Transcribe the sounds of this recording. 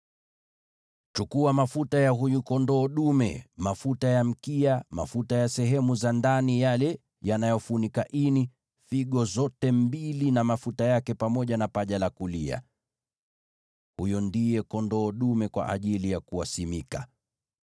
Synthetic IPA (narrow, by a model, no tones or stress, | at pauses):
t͡ʃukuamafutajaɦujukɔndɔːɗumɛ̰mafutajam̩kiama̰futajasɛɦɛmuzandanijalɛ | janajɔfunikaʔini | fiɠɔzɔtɛmbilinamafutajakɛpamɔʄanapaʄalakulia̰ | hujɔndijɛkɔndɔːɗumɛkwa̰ʔa̰ʄilijakuasimika